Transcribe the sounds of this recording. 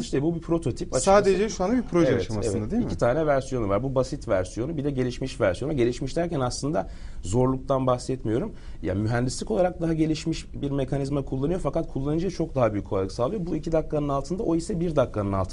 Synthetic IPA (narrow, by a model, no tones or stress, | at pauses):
ʃt̪ɛbubipʰɾo̞t̪ʰo̞t̪ʰipat͡ʃsaːd̪ed͡ʒɛʃuand̪abipɾoʒeɛvɛt͡ʃevɛd̪iiit̪ʰaːnɛvæɾsijo̞nuvaɾbubasit̪væɾsijo̞nubid̪ɛɟe̞lʲiʃmiʃvæɾsijo̞nuɟe̞lʲiʃmiʃt̪ʰæɾcʰɛnaslˠɯnd̪a | zo̞ɾlˠuk̚t̪ʰanbaxsɛt̪mijo̞ɾum | ja̰myɦɛnd̪islʲiko̞lˠaɾak̚d̪aɦaɟe̞lʲiʃmiʃbiɾmekʰanizmakʰulˠːanɯjofakat̪̚kʰulˠːanɯd͡ʒɯjat͡ʃʰo̞k̚d̪aɦabyjycʰːoalɯsaːlˠɯjo̞buicʰid̪akːanɯnalˠt̪ʰɯnd̪aʔo̞isɛbiɾd̪akːanɯnalˠt̪ʰ